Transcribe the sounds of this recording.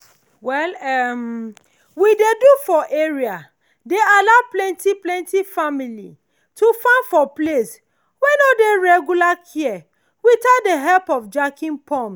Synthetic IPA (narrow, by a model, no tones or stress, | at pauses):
wɛlɛm | widedufɔʔeɹia | dealaʊplɛ̃ntiplɛ̃ntifamilḭ | tʰufãnfɔples | wɛ̃nodeɹɛɡjulakʰiɛ | witat̚deɦɛlpɔfd͡ʒakĩnpʰɔ̃ms